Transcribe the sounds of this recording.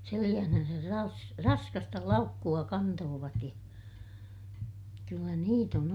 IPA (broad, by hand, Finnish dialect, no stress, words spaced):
selij̆æhnænsær rɑs rɑskɑstɑ lɑukːuɑ kɑntoːʋɑt jɑ kylːæ niːt on